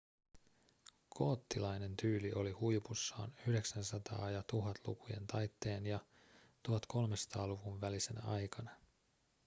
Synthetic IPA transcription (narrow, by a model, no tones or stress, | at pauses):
kʰo̞ːt̪ːilɑjne̞nt̪yːliʔo̞lihujpusːɑ̰ːnyhyde̞ksænsɑt̪ɑ̰ːjɑt̪uɦɑt̪lṵkuje̞̰nt̪ɑjt̪ːe̞ːnjɑ | t̪uɦɑt̪kʰo̞lmesɑ̥t̪ɑːluʋunʋælise̞n̰ɑ̰jkɑnɑ